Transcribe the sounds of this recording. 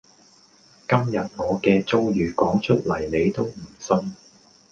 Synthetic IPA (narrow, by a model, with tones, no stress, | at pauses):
kɐ˥mjɐ˨t̚ŋɔː˨˧kɛː˧t͡so˥wjyː˨˩kɔː˨˥ŋt͡ʃʰɵ˥t̚lɐ˨˩jne˨˧jt̪o˥wm̩˨˩sɵ˧n